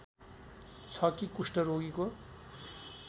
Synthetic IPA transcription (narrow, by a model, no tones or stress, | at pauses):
t͡sʰʌkikusʈʌɾoɡiko